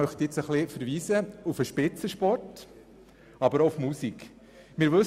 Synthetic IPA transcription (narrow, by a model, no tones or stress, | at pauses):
œχt̪ɪt͡səχlifəɾʋiːsəufəʃpɪt͡səʃpɔrt | ɑbəɾoufmusik | mɪːɾʋɵ